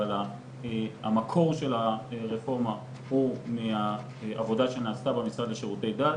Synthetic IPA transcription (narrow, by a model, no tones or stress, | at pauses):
ala | a̰makʰo̞ʁʃe̞laʁefo̞ʁma | humea | avo̞daʃe̞naːst̪abemisʁadleʃeʁute̞jda